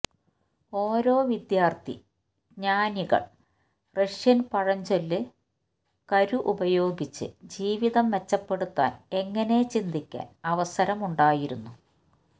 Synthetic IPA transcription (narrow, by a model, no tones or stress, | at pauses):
o̞ːɾo̞ːʋid̪jaːrt̪ḭ | ɡɲaːniɣɐ̰ɭ | reʂjɐnpɐɻɐɲd͡ʑolːɨ | kɐɾuʔubɐjo̞ːɡit͡ɕːɨ̰d͡ʑiːʋiðɐmʋe̞t͡ɕːɐpːe̞ɽut̪ːa̰ːne̞ŋːɐne̞t͡ɕind̪ikʲːa̰ːnɐʋɐsɐɾɐmuɳɖaːjiɾunːu